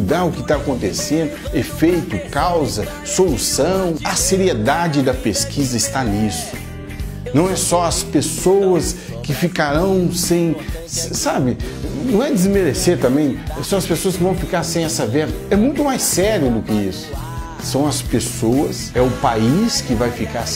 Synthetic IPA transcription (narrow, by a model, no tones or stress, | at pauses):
d̪aɾʊkɪt̪aːkõnt̪esẽnd̪ʊefejt̪ʊkawzɐ | solusɐ̃w̃ɐseɾied̪ad͡ʒɪd̪ɐpeskʰizɐɪst̪alisʊ̥ | nɐ̃w̃ɛsɔɐspesowɐs | kɪfikaɾɐ̃w̃sẽj̃ | ssabɪnɐ̃w̃ɛd͡ʒ̪ɪzmeɾeseɾt̪ɐ̃mbẽj̃ɛsɔ̃ɐspesoɐskɪvɐ̃w̃fikaɾsẽj̃ɛsɐvɛɾɐɛmũj̃t̪ʊmajsɛɾiʊd̪ʊkɪisʊ̥ | sɐ̃w̃ɐspesoɐsɛʊpaiskɪvajfikaɾs